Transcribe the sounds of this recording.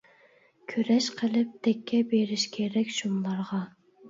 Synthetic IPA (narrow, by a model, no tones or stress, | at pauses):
kʲʰøɾɛʃqʰəlˠɪp̚t̪ʰɛkʲʰːɛbeɾɪʃkʲʰeɾɛkʲʃumlˠɑɾʁɑ